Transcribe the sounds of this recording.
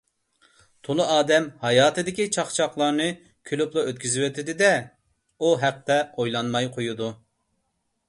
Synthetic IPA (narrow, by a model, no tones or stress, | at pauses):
t̪ʰolˠɨɑːd̪ɛmhɑjɑːt̪ɨd̪ɪkʲit͡ʃʰɑχt͡ʃʰɑχlˠɑɾnɨ | kʲʰylyplˠɑøt̪̚kʲyzɪwøt̪ʰɪd̪ɪd̪ɛ | uɦɛq̚t̪ɛojlˠɑnmɑjqʰojud̪u